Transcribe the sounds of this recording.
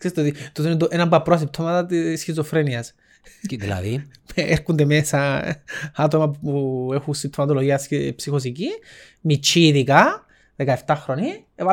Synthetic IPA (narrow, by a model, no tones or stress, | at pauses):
ksst̪eot̪it̪ot̪einet̪oʔenɐmbɐpɾoɐs̬ip̚t̪ʰomɐt̪ɐt̪isçizofɾeniɐs | ilɐ̰ðieɾkund̪emesɐ | ɐt̪o̞mɐpuexunsip̚t̪ʰomɐt̪oloʝiɐsepsixos̬ici | mit͡ʃːiːðikɐ | ðekɐe̞ft̪ɐxɾonieva